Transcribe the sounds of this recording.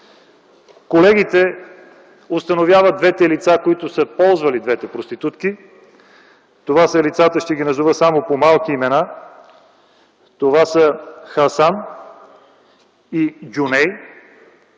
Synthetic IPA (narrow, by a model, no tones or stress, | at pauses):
kolɛɡ̟it̪ɛ | ost̪ɐnovʲjavəd̪̚d̪vɛt̪ɛlit̪sakoit̪ʊsəpɔlˠzvɐlid̪vɛt̪ɛpɾost̪it̪ut̪ki | t̪ovasəlit̪sat̪əʃt̪ɛɡʲinɐzuvəsamopomalˠkiːmɛna | t̪ovasəxɐsan | iɡʲunɛj